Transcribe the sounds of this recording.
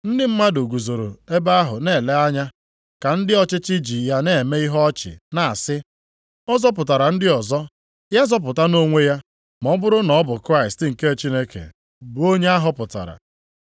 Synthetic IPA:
n̩˦dɪ˦m̩˦ma˦do˨ɡu˨zo˨ɾo̰˨e˦ba˦a˦ɦʊ˨ne˨le˦a˦ɲa˦ | ka˨n̩˦dɪ˦ɔ˦t͡ʃɪ˦t͡ʃɪ˦d͡ʒi˨ja˦ne˦˨me˦i˦ɦɔ˦ɔ˦t͡ʃɪ̰˨na˨sɪ˦ | ɔ˦zɔ˦p̬ʊ˨ta˨ɾa˨n̩˦dɪ˦ɔ˨zɔ˦ | ja˦zɔ˦p̬ʊ˨ta˦no˦ŋʷe˦ja˦ | mɔ˦bʊ˦ɾʊ˦nɔ˨˦bʊ˨kɾa˦ɪ˨stɪ˨ŋ̩˨ke˦˨t͡ʃi˦ne˦kḛ˨ | bu˦o˦ɲe˦a˦ɦʊ˦pʊ˨ta̰˨ɾa̰˨

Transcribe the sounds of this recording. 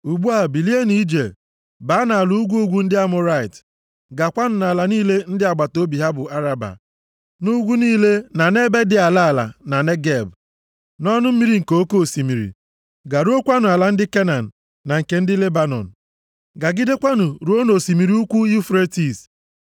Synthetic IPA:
u˨ɡ͡bu˦a˦˨bi˨li˦e˦ni˦d͡ʒe˨l | ba˨˦na˨a˨lu˦u˦ɡʷu˦u˦ɡʷu˦n̩˦dɪ˦a˦mʊ˦ɾa˦ɪ˨t | ɡa˨kʷa˦nʊ˨na˨la˨niː˦le˦n̩˦dɪ˦a˨ɡ͡ba˨to˦bi˨ɦa˦bʊ˨a˦ɾa˨ba̰˨ | nu˦ɡʷu˦niː˦le˦na˨ne˦be˦dɪ˨a˨la˦a˨la̰˨na˨ne˦ɡe˦˨b | nɔ˦nʊ˦m̩˦i˦ɾi˨ŋ̩˨ko˨˦ko˦˨si˨mi˨ɾḭ˨ | ɡa˨ɾo˦kʷa˦nʊ˨a˨la˨n̩˦dɪ˦ke˦na˨n̩ː˨ | a˨ŋ̩˨ke˨n̩˦dɪ˦le˦ba˦nɔ̰˨n̩˨ | ɡa˨ɡɪ˦de˦kʷa˦nʊ˨ɾu˨˦o˦no˨si˨mi˨ɾi˦u˦kʷu˦u˦fɾe˦ti˨s

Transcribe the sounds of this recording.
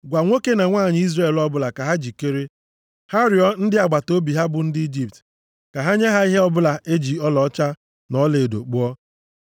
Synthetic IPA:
ɡʷa˨ŋʷo˦ke˦na˨ŋʷaː˦˨ɲɪ˦i˦zre˦˨lɔ˦bʊ˦la˨ka˨ɦa˦d͡ʒi˨ke˦ɾe˦ | ha˦ɾjɔ˦n̩˦dɪ˦a˨ɡ͡ba˨to˦bi˨ɦa˦bʊ˨n̩˦di˦d͡ʒi˨p̚t | ka˨ɦa˦ɲe˦ɦa˦i˦ɦe˦ɔ˦bʊ˦la˨ʔe˦d͡ʒi˨ɔ˦lɔ˦t͡ʃa˦ | nɔ˦le˨do̰˨k͡pu˦ɔ˦

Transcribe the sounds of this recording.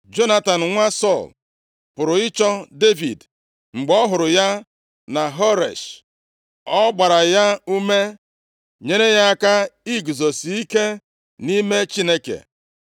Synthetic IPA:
d͡ʒo˦na˦ta˨n̩˨ŋʷa˦sɔ˦˨l | pʊ˨ɾʊ˨ɪ˦t͡ʃɔ˦de˦vḭ˨d | ŋ͡m̩˨ɡ͡bɔ˦ɦʊ˨ɾʊ˨ja˦ | na˨ɦɔ˦ɾḛ˨ʃ | ɔ˦ɡ͡ba˨ɾa˨ja˦u˦me˦ | ɲe˦ɾe˦ja˦a˦ka˦i˦ɡzɔ˨si˦ke˦ | ni˦me˦t͡ʃi˦ne˦kḛ˨

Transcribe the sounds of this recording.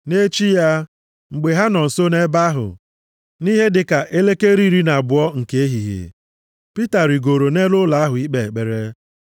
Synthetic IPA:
ne˦t͡ʃi˦ja˦ | ŋ͡m̩˨ɡ͡be˨ɦa˦nɔ˨n̩˨so˦ne˦ba˦ɦʊ̰˨ | ni˦ɦe˦dɪ˨ka˨ʔe˦le˦ke˦ɾi˦ɾi˦na˨bʊ˨ɔ˦ŋ̩˨ke˨˦e˦ɦi˨ɦḛ˨ | pi˦ta˨ɾi˨ɡo˨ɾo˨ne˦lʊ˦la˨˦a˦ɦʊ˨i˦k͡pe˨k͡pe˨ɾe˦

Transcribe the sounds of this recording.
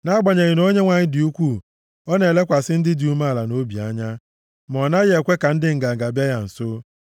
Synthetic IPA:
na˦a˦ɡ͡ba˨ɲe˨ɣɪ˨no˦ɲe˦ŋʷa˨ɲɪ˦dɪ˨u˦kʷu˦˨ | ɔ˦ne˨le˦kʷa˨sɪ˦n̩˦dɪ˦du˨˦ma˦˨la˨no˦bi˨a˦ɲa˦ | mɔ˨na˦ɣe˨kʷe˦ka˨n̩˦dɪ˦ŋ̩˨ɡa˨ŋ̩˨ɡa˨bja˦ja˨n̩˨sʊ˦

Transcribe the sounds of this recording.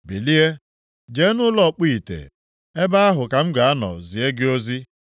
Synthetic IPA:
bi˨li˦e˦ | d͡ʒe˨˦nʊ˦lɔ˦˨k͡pi˦i˨tḛ˨ | e˦ba˦a˦ɦʊ˨ka˨m̩˦ɡa˨a˦nɔ̰˨zi˨e˦ɡɪ˦o˦zi˦

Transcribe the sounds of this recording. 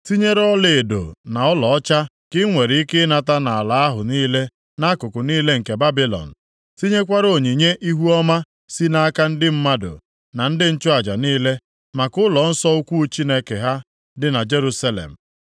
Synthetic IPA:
ti˦ɲe˦ɾɔ˦le˨e˨do̰˨na˨ɔ˦lɔ˨ɔ˦t͡ʃa˦ | kɪ˦ŋʷe˨ɾi˨i˦kɪ˦na˨ta˦na˨a˨la˨a˦ɦʊ˨niː˦le˦ | na˦kʊ˨kʊ˨niː˦le˦ŋ̩˨ke˨ba˦bi˦lɔ̰˨n̩˨ | ti˦ɲe˦kʷa˦ɾo˨ɲi˨ɲe˦ʔi˦ɦu˦ɔ˦ma˦ | si˦na˦a˦ka˦n̩˦dɪ˦m̩˦ma˦do̰˨ | na˨n̩˦dɪ˦n̩˦t͡ʃʊ˦a˨d͡ʒa˨niː˦le˦ | ma˨kʊ˦lɔ˨n̩˦sɔ˦ʊ˦kʷu˦t͡ʃi˦ne˦ke˨ɦa˦ | dɪ˨na˨d͡ʒe˦ɾu˦sa˦lḛ˨m̩˨

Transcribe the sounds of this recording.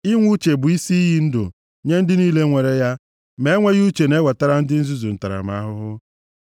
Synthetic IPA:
i˦ŋʷu˦t͡ʃe˨bʊ˨i˦si˦i˦ɦi˦n̩˦dʊ̰˨ | ɲe˦n̩˦dɪ˦niː˦le˦ŋʷe˨ɾe˦ja˦ | me˦e˦ŋʷe˦ɣu˦t͡ʃe˨ne˦wa˨ta˦ɾa˦n̩˦dɪ˦n̩˦zu˦zu˨n̩˨ta˨ɾa̰˨m˨a̰˦ɦʊ˦ɦʊ˦

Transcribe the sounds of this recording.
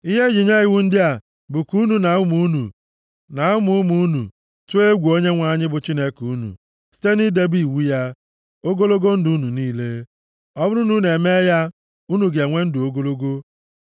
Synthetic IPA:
i˦ɦe˦d͡ʒi˨ɲe˦ɣɪ˨wu˦n̩˦dɪ˦a˨ | bʊ˨ku˦nu˨na˨ʊ˦mu˦nṵ˨ | na˨˦ʊ˦mu˨˦mu˦nṵ˨ | tu˦e˦ɡʷu˨o˦ɲe˦ŋʷa˨ɲɪ˦bʊ˨t͡ʃi˦ne˦ku˦nṵ˨ | si̥˦te˦ni˦de˦bi˦˨wu˦ja˦ | o˦ɡo˦lo˦ɡo˦n̩˦du˨u˦nu˨niː˦le˦ | ɔ˦bʊ˦ɾu˦nu˦ne˨me˦ja˦ | u˦nu˨ɡe˨ŋʷe˦n̩˦dʊ˨o˦ɡo˦lo˦ɡo˦

